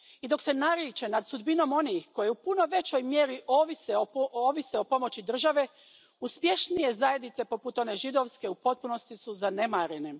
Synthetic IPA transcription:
id̪o̞kse̞naɾjit͡ʃe̞nad̪sud̪bino̞mo̞niːxko̞je̞upunoʋe̞t͡ɕo̞jmje̞ːɾiʔo̞ːʋiseooːʋiseo̞po̞mo̞t͡ɕid̪r̩ʒaʋe̞ | uspje̞ʃnije̞zaje̞d̪nit̪se̞po̞put̪o̞ne̞ʒid̪o̞ʋske̞upo̞t̪̚puno̞st̪isuzane̞maɾe̞ne̞

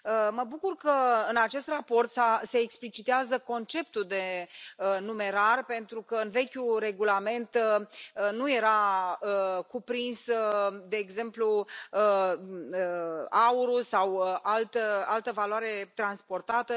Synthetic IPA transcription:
əməbukurkəɨnat͡ʃe̞st̪rapo̞rt̪sase̞ːksplit͡ʃit̪eazəko̞nt͡ʃe̞p̚t̪uld̪e̞ənume̞ɾarpe̞nt̪ɾukəɨnve̞kʲure̞ɡulame̞nt̪ənuje̞ɾaəkupɾinsd̪e̞ːɡze̞mpluə | əauɾusawəʔalt̪əalt̪əvaloaɾe̞t̪ɾanspo̞rt̪at̪ə

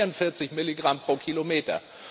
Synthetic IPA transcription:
ʊntfɪɐt͡sɪçmɪliɡʁampʁ̥oːkʰilomeːtɐ̰

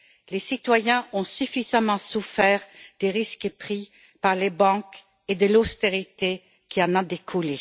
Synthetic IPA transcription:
lesit̪wajɛ̃ɔ̃syfizamɑ̃sufɛːʁd̪̥eʁiskəpχi | paʁlebɑ̃k | ed̪əlost̪eʁit̪e | kʰiɑ̃nad̪ekʰule

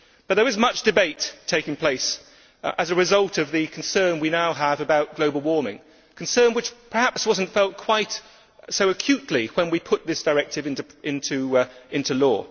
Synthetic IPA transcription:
b̥ʌt̪̚ðə˞ɨzmʌt͡ʃd̥ɨbeɪtʰeɪkɪ̃ŋpʰl̥eɪs | ʔɨzɨɹɨzʌlˠtʌvðɨkʰn̩sɜ̃˞nwinaʊəvɨbaʊt̚ɡ̥loʊbl̩ˠwɔɹmɪ̰̃ŋ | kʰn̩sɜ̃˞nwɨt͡ʃpʰə˞hæpswʌz̃n̩tfɛlˠt̚kʰw̥aɪt | soʊɨkʰj̥ʉtˡliwə̃nwipʰʊt̪̚ðɪsd̥ə˞ɛk̚tɨvɪ̃nɪ̃ntʰʉɪ̃ntulɔ̰ː

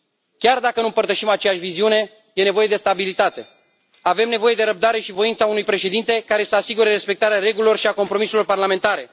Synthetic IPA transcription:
kʲard̪akənumpərt̪əʃimat͡ʃejaʃʲviziune̞ | jene̞voje̞d̪e̞st̪abilit̪at̪e̞ | ave̞mne̞vo̞je̞d̪e̞ɾəp̚d̪aɾe̞ʃivo̞int̪saunujpɾe̞ʃe̞d̪int̪e̞kaɾe̞səasiɡuɾeɾe̞spe̞k̚t̪aɾeaɾe̞ɡulilo̞rʃiako̞mpɾo̞miselo̞rparlame̞nt̪aɾe̞

